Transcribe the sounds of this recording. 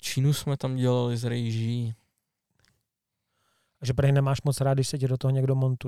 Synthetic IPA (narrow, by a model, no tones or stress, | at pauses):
t͡ʃiːnusmɛt̪amɟɛlalɪzɾɛjʒiː | ʔaʒɛpɾr̩ɦɪnɛmaːʃmot͡sɾaːd̪̚dɪʃsɛcɛdot̪oɦoɲɛɡdomont̪u